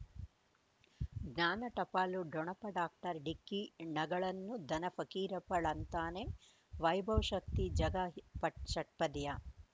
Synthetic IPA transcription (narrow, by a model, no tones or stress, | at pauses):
ɡnaːnɐʈɐpaːluɖɔɳɐpɐɖaːk̚ʈɐɾɖikːinɐɡɐɭɐnːud̪ʱɐnɐfɐkiːɾɐpɐɭɐnt̪aːne | ʋɐjbʱɐwʃɐkt̪id͡ʒɐɡɐpɐʃɐʈ̚pɐd̪jɐ